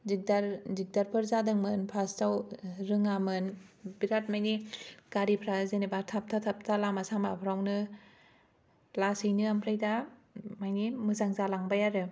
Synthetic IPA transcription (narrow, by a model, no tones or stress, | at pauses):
zik̚daɾzik̚daɾpʰɯɾzadɯŋmɯnpʰastawɾɯŋamɯnbiɾat̚majnikaɾipʰɾazenebaɾtʰap̚tʰatʰap̚tʰalamasamapʰɾawnɯ | lasɯjnɯampʰɾajdamajnimɯzaŋzalaŋbajaɾɯ